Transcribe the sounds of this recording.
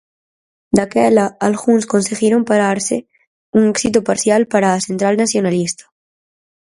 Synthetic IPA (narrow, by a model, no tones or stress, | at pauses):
d̪akelaalɣunskonseɣiɾompaɾaɾse | uŋeksit̪opaɾθjalpaɾaːsent̪ɾalnasjonalist̪ḁ